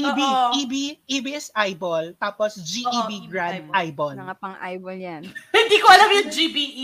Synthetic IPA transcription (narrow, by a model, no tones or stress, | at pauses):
ʔibiibiʔiːbɪsʔajbolt̪aːposd͡ʒiʔiːbiɡɹandd̪̚ʔajbolŋapɐŋʔajboljanhɪ̃nd̪iːkoʔɐlamjʊŋd͡ʒibiʔi